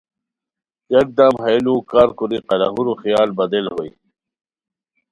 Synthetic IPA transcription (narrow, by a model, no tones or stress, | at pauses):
jɐk̚d̪ɐmɦɐlũːkaːɾkuɾiqɐla̰ɦuɾuxijaːlbɐd̪elɦoi